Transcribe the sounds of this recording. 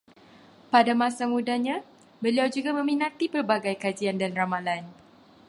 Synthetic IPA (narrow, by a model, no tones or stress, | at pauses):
padamãsamudahɲã | bəliawd͡ʒuɡamə̃mĩnãt̪ipərbaɡajkad͡ʒiandanramalan